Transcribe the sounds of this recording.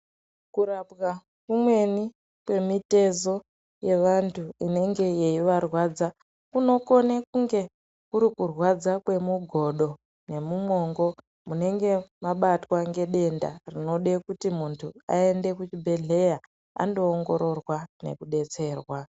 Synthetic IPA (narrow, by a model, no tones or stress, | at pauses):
kuɾabɣa | kumwe̞ni | kwe̞mite̞zo̞ | je̞ʋantʰuine̞ŋɡe̞je̞iʋarwad͡za | kuno̞ko̞nekuŋɡe̞ | kuɾikurwad͡zakwe̞muɡʱo̞ɗo̞ | ne̞mumo̞ːŋɡo̞ | mune̞ŋɡe̞maɓatwaŋɡe̞ɗe̞nda̰rino̞ɗekutimuntʰua̰e̞nde̞kut͡ʃibʱe̞ɮe̞ja | a̰ndo̞ːŋɡo̞̰ɾo̞rwane̞̰kuɗe̞t͡se̞ːrwa